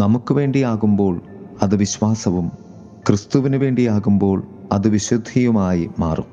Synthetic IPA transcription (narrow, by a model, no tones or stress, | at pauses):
nɐmukːɨʋe̞ːɳɖijaːɣumbo̞ːɭ | ɐðɨʋiɕʋaːsɐʋum | krɨst̪uʋinuʋe̞ːɳɖijaːɣumbo̞ːɭɐðɨʋiɕud̪ʱijumaːjima̰ːrṵm